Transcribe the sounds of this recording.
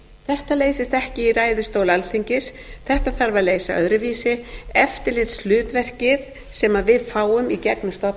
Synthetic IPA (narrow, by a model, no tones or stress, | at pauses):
θɛht̪aleːjsɪst̪ɛhcɪiraːjðʏst̪owlalθiɲcɪs | θɛht̪aθaɾvaleːjsaœ̰ðɾʏviːsɪɛft̪ɪɾlɪt̪slʏːt̪vɛr̥cɪð | sɛmavɪðfaːwʏmicɛknʏst̪ɔp